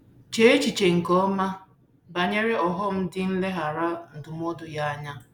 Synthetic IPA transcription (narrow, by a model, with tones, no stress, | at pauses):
t͡ʃe˦e˦t͡ʃi˨t͡ʃe˨ŋ̩˨kɔ˦ma˦ | ba˨ɲe˦ɾe˦ɔ˨ɦɔ˦m̩˦dɪ˦n̩˦le˦ɦa˨ɾa˦n̩˨dʊ˨m̩˦ɔ˦dʊ˦ja˦a˦ɲa˦